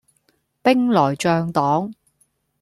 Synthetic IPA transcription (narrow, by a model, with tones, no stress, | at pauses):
pɪ˥ŋlɔː˨˩jt͡ʃœː˧ŋt̪ɔː˨˥ŋ